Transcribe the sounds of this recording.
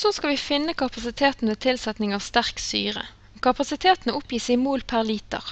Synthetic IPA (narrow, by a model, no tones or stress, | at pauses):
soskɑlʋifɪnːəkʰɑpɑsɪt̪ʰeːt̪n̩ʋeːt̪ʰɪlsɛt̪nɪŋɑːʋst̪æʁkst̪y̰ːʁə̰ | kɑpɑsɪt̪ʰeːt̪n̩əʔʊpjiːsɪmoːlpʰæʁliːt̪ə̰ʁ